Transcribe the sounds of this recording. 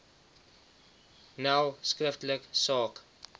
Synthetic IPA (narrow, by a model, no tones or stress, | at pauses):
nawskrəftləksɑːk